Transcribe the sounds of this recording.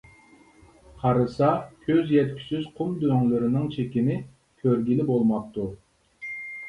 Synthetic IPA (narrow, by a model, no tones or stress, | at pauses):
qʰɑɾɨsɑkʲʰøzjɛt̪kʲʰy̥syzqʰʊmd̪øŋlyɾɪnɪŋt͡ʃʰekʲinɪ | kʲʰøɾɡʲilɪbolˠmɑp̚t̪u